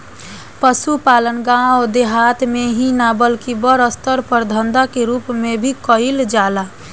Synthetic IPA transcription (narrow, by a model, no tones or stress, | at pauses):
pəsupalənɡãod̪eɦat̪meɦĩnabəlkibəɾəst̪əɾpəɾd̪ʱənd̪akeɾuːpmebʱikəɪld͡ʒala